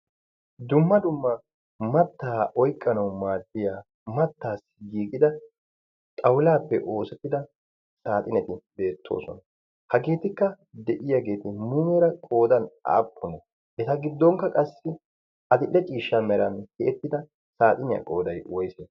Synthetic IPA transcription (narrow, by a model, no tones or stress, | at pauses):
d̪ʊmːɐd̪ʊmːɐ | mɐt̪ːaːʔɔjkʼːɐnɐwmaːd̪ːɪjaː | mɐt̪ːaːsɡiːɡʼɪd̪ɐ | t̪ʼɐwlaːpːɛʔo̞ːsɛt̪ːɪd̪ɐ | saːt̪ʼɪnɛt̪ɪbe̞ːt̪ʰːo̞̰ːsɔ̰nɐ | hɐɡe̞ːt̪ɪkːɐ | d̪ɛʔɪjaɡe̞ːt̪ɪmuːmɛɾɐkʼo̞ːd̪ɐna̰ːpːʊnɐ | ʔɛt̪ɐɡɪd̪ːɔŋkːɐkʼɐsːɪ | ʔɐd̪ɪʔːɛt͡ʃʼiːʃːɐmɛɾɐnkeːt̪ːɪd̪ɐ | saːt̪ʼɪnɪjɐ̰kʼo̞̰ːd̪ɐjwɔjse